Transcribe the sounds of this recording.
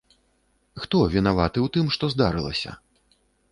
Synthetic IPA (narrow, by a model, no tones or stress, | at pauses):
xt̪ɔvʲinavat̪ɨwt̪ɨmʂt̪ɔzd̪aɾɨlˠɐ̰sʲɐ̰